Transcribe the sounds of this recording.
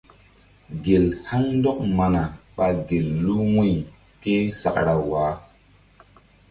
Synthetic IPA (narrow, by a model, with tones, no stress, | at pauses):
ɡe˨lha˦ŋndɔ˦k̚ma˨na˨ɓa˨ɡe˨lːu˦wu˦˨j | ke˦sa̰˨kɾa˨waː˨˦